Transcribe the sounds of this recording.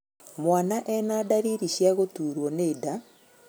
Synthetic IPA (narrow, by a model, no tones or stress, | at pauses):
mwanaʔɛnaːdaɾiɾiʃjaɣotuːɾwɔneːda